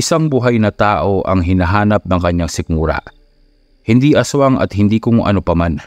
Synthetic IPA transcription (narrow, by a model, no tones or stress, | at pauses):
ʔɪsaŋbuɦajnɐt̪aːʔo̞ʔɐ̰ŋɦɪnaɦaːnɐp̚nɐŋkɐɲːaŋsɪk̚muːɾɐ̰ʔ | hɪnd̪iːʔɐswaŋɐ̰t̪̚hɪnd̪ikʊŋʔɐ̰nopɐman